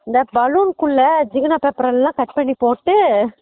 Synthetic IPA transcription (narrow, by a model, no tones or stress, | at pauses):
ɪnd̪ɐbɐluːnkʊɭːɐd͡ʒɪɡɐnaːpeːpɾɐ̃lɛlãːkɐʈ̚pɐɳːipoːʈːɯ